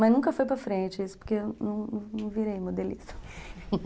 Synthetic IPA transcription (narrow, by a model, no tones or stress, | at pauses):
mɐznũkɐfojpɾɐfɾẽt͡ʃɪisʊ̥poɾkeewnɐ̃w̃nɐ̃nɐ̃w̃viɾejmod̪elḭst̪ɐ̥